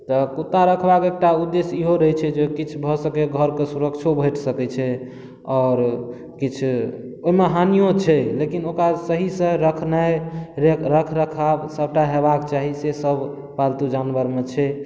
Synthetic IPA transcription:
t̪ɔkut̪aɾəkʰbakek̚ʈaud̪ːesiɦoɾəɦɛt͡ʃʰɛd͡ʒekit͡ʃʰbʱɔsəkɛɡʱəɾkesuɾəkt͡ʃʰobʱəʈʰsəkɛt͡ʃʰɛ | ɔːɾ | kit͡ʃʰoɦimeɦanijõt͡ʃʰɛlekinokɾasəɦisə̃ɾəkʰnaeɾeɾəkʰɾəkʰabsəbʱʈaɦeβakt͡ʃaɦisesəbʱ | palt̪ud͡ʒanbəɾmet͡ʃʰɛ

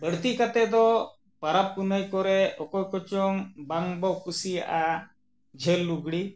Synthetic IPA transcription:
bəɽt̪ikat̪ɛd̪ɔ | paɾap̚kunajkɔɾɛɔkɔjkɔt͡ʃɔŋbaŋbɔkusija̰ʔa | d͡ʒʱɛlːuɡɽi

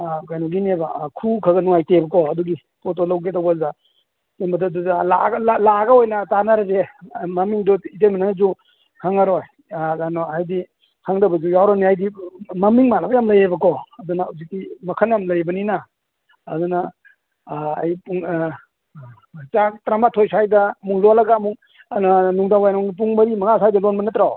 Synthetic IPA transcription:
kajnɔɡinebakʰukʰaɡɐnuŋajtebɐkɔɐduɡi | pot̬olawɡedawbaa | tembadadula̰ɡlalaɡaojnatanaɾazemɐmiŋdɔitejmananzu | kʰaŋaɾɔj | zanɔajdi | kʰaŋdabɐzujawɾɔniajdimɐmiŋmanabɐjamlɐjebɐkʰɔɐdunauzitimɐkʰanjamlɐjbɐnina̰ː | duna | jpuŋ | t͡ʃatɾamatʰojsʰajdɐmuŋlolɐɡamuŋ | nɔnuŋdawajnmuŋip̬uŋmɐɾimɐŋasajdɐlonbɐnatɾaw

